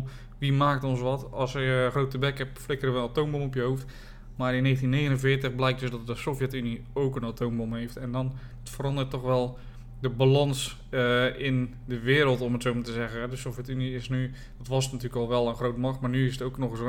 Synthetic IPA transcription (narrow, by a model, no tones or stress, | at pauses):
ʋimaːk̚tɔnsʋɔtɑsxrowtəbɛkhɛpflɪkərəʋənatoːmbomɔpjəɦoft | maːrɪnːeːxəntinːeːɣənənvɪːtəχblɛjk̚døsdɔt̚dəsofjɛtyniowkənatʰoːmbomɦejftɛndɔn | ətfərɑndərtːɔxʋɛlˠ | dəbalɑns | ɪn | dəʋɪːɾəlˠtɔmətsowmatəzɛɣənɦɛdəsofjɛtyniɪsny | dɔtʋɔsnatyːrləkɔlˠʋɛlˠənχrowtmɑxmaːrnyɪsətowknɔxəs